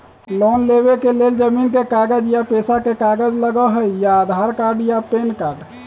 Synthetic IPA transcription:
lɔnleβekeleld͡ʒəminkekaɡəd͡ʒjapesakekaɡəd͡ʒləɡəɦəjaːd̪ʱaɾkaɾɖjapenkaɾɖ

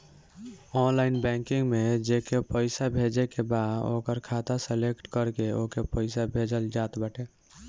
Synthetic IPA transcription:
ɔnlaɪnbɛ̃ŋkiŋɡmed͡ʒekepəɪsabʱed͡ʒekebaːd̪o̰kəɾkʰat̪asəlekʈkəɾkeokepəɪsabʱed͡ʒəld͡ʒat̪bəʈe

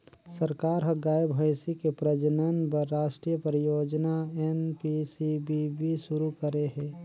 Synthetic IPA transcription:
sɐɾkaːɾɦɐɡaːjbʱəjsikepɾəd͡ʒnənpɐɾːaːʃʈɾijəpɾjoːd͡ʒnaɛnpisibibʱiʃʊɾukəɾeɦɛ̃ː

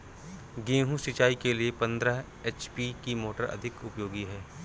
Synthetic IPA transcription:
ɡẽːɦũʃɪt͡ʃaːikeliepɐ̃nd̪ɾəɦ | eːt͡ʃpikimoːʈəɾɐ̰d̪ʱɪkʊpjoːɡiɦɛː

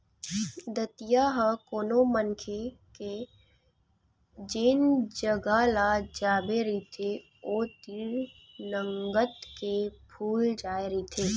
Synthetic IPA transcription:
d̪ət̪ijaɦəkoːnomənkʰe | ke | d͡ʒɪnd͡ʒəɡalad͡ʒaːbeɾit̪ʰe | oːt̪iːɾ | nəŋɡət̪kepʰuːld͡ʒaːeɾit̪ʰeː

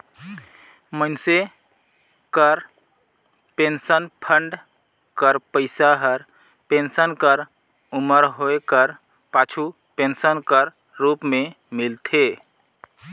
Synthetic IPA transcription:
mənse | kəɾ | pensənpʰəɳɖ | kəɾpəɪsaɦəɾ | pensənkəɾ | uməɾɦoekəɾ | pat͡ʃʰu | pensənkəɾ | ɾupmẽ | milt̪ʰe

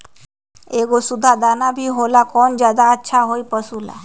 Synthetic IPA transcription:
eɡosud̪ʱad̪anabʱiɦolakɔnd͡ʒad̪aətːʃʰaɦojpəsula̰

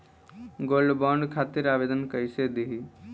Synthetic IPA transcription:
ɡolɖbɔɳɖkʰat̪iɾabed̪ənkəjsed̪iɦi

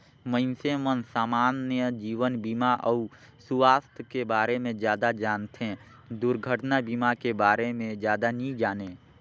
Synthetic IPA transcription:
mə̃nsemənsaːmaːnjəd͡ʒiːʋənbiːmaʔəʊ | sʊwaːst̪ʰəkebaːɾemẽd͡ʒjaːd̪ad͡ʒaːnt̪ʰẽ | d̪ʊɾɡʱəʈnabimakebaːɾemẽd͡ʒjaːd̪anĩd͡ʒaːneː

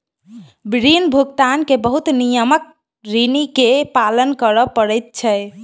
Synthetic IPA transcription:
bɾinbʱuɡt̪ankebəɦut̪nijəmək̚ | ɾinikepalənkəɾəpəɾɛjt̪̚t͡ʃʰɛ

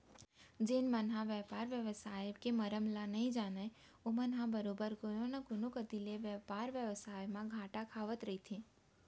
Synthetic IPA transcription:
d͡ʒenmənɦãʋjəpaːɾʋjəʋsaːjkeməɾəmlãnəɦĩd͡ʒaːne | omənɦãbəɾoːbəɾkojonəkʊnõkəd̪ileʋjəpaːɾʋjəʋsaːjmãɡʱãːʈakʰaːʋət̪ɾəɦit̪ʰĩ

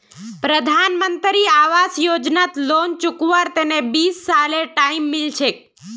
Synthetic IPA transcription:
pɾəd̪ʱanmənt̪ɾiaʋasjod͡ʒnat̪lont͡ʃukʋaɾt̪enebisːaleʈaimːilt͡ʃʰe

